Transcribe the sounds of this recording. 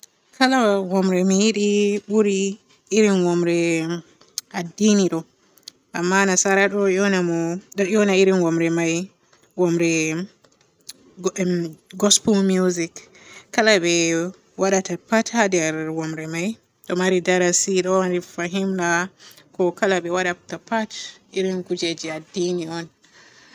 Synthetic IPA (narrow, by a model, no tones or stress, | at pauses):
kʰalawɔmɾɛmijiɗiɓuɾiː | ɾinwɔmɾɛ | ʔadiniɗɔ | ʔamːanasaɾaɗɔjɔnamɔɗɔjɔnaiɾinwɔmɾɛmaj | wɔmɾɛ | ɡɔspulmjuzikː | alaɓɛ | waɗatapatʰadɛɾwɔmɾɛmaj | ɗɔmaɾidaɾasiɗɔɾifaɦimla | kɔkalaɓɛwaɗatapatiɾinɡud͡ʒed͡ʒiadːiniɔn